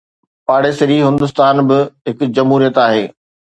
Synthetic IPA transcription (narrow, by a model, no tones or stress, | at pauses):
paːɽeːsɪɾiɦɪ̃nd̪ʊs̬t̪aːnbɪɦɪkʊ̆d͡ʑɐmɦuːɾijət̪aːɦeː